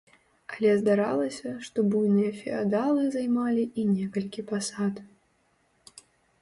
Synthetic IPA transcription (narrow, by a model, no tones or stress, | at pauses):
ɐlʲɛzd̪aɾalˠɐsʲɐʂt̪ɔbujnɨjɐfʲɛad̪alˠɨzajmalʲiʔinʲɛkɐlʲkʲipasat̪